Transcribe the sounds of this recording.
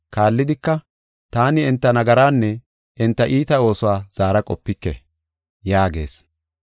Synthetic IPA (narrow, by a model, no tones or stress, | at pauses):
kaːlːɪd̪ɪkːɐ | t̪aːnɪɛnt̪ːɐnɐɡɐɾaːnːɛ | ɪnt̪ːɐʔiːt̪ɐo̞ːsʊwaːz̥aːɾɐkʼɔpːɪkːɛ̰ | jaːɡe̞̰ːs